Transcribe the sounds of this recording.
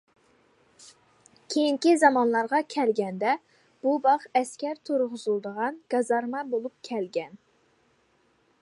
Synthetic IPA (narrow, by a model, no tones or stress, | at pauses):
kʲʰejiŋkʲizɑmɑnlˠɑɾʁɑkʲʰɛlɡʲɛnd̪ɛ | b̥ubɑχɛskʲæɾt̪ʰuɾʁʊzulˠd̪əʁɑnɡ̥ɑzɑɾmɑbolˠup̚kʲʰɛlɡʲɛn